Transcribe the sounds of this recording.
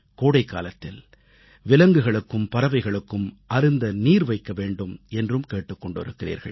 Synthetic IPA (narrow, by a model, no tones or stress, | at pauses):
koːɽɐɪkːa̰ːlɐt̪ːɪl | ʋɪlɐŋɡɯɣɐɭɯkːɯmpɐɾɐʋɐɪɣɐɭɯkːɯmʔɐɾɯnd̪ɐniːɾʋɐɪkːɐʋeːɳɖɯmɛndrɯmkeːʈːɯkːɔɳɖɯɾɯkːɪrḭːɾɣɐ̰ɭ